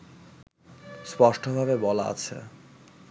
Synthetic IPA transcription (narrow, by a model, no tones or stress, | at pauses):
spɔʃʈobʱabebɔlaa̰t͡ɕʰḛ